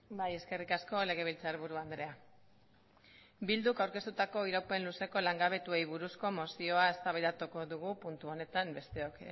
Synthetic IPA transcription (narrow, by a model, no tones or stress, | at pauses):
baje̞ske̞rikasko̞le̞ɣ̞e̞β̞ilt͡saɾβuɾuand̪ɾe̞a | bild̪ukawɾke̞st̪ut̪ako̞iɾawpe̞nluse̞ko̞laŋɡaβ̞e̞t̪ue̞jβuɾusko̞mo̞sio̞ae̞st̪aβajðd̪at̪uko̞ðuɣ̞upunt̪uo̞ne̞t̪ambe̞st̪e̞o̞k